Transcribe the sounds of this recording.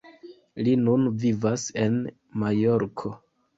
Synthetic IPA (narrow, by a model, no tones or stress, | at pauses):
linunvivase̞n | majo̞ɾkʰo̞